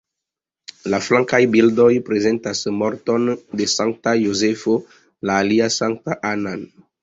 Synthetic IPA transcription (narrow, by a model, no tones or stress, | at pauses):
laflãŋkajbildɔjpɾezɛntasmɔɾtɔndesãŋk̚tajozefo | laːliasãŋk̚taʔanan